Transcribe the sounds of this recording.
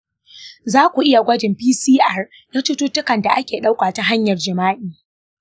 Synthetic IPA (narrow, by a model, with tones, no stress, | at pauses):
zaː˦kʷu˨ʔɪ˦ja˨ɡʷɐ˦d͡ʒɪ˨mpiː˦siː˦ʔa˦r | jaː˦tʊ˦tuː˦tʊ˦kɐ˨nda˨ʔa˦kʲeː˨ɗa˦wkʷaː˨ta˦ɦa˦ɲjɐ˨rd͡ʒɪ˨maː˦ʔiː˨